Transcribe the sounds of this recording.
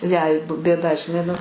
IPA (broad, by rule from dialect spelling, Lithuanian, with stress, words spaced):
jɛɪ p bʲeːˈdɐ ʒʲɪˈnɐɪ nʊ